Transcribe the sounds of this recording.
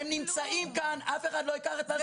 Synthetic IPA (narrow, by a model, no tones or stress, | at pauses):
mnimt͡saʔimkanafeχadlo̞ikaχet̪a